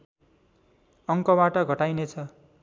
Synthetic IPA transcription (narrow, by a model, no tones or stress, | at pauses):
ʌŋkʌbaʈʌɡʱʌʈajnet͡sʰʌ